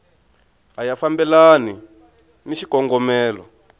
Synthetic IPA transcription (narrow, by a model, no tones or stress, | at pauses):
ɦajafambɛlani | niʃikɔŋɡɔmɛːlɔ